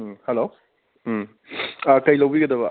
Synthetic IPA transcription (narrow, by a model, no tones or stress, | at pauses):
hɛlo | akɐjlɐwbiɡɐd̪ɐbɐ